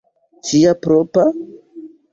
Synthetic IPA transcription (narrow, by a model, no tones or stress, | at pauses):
t͡ʃijapɾopa